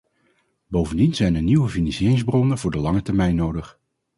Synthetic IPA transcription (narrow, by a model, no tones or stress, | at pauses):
bowvəndinzɛjnəɹniwəvinisɪːrɪŋzbrɔnənvʊːɹdəlɑŋətɛɹmɛjnːowdəχ